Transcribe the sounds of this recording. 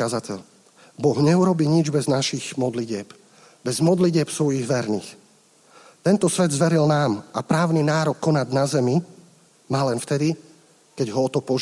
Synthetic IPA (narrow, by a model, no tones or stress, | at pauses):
azacɛʎ | bɔɣɲɛuɾɔbiːɲid͡ʒbɛznaʃiɣmɔd̪liɟɪɛb | bɛzmɔd̪liɟɪɛpsʋɔjiɣʋɛɾnḭːx | t̪ɛnt̪ɔsʋɛd̪zʋɛɾilnaːmʔapɾaːʊninaːɾɔkːɔnaɟnazɛmi | maːlɛnft̪ɛd̪i | kɛɟɦɔɔt̪ɔpɔʒ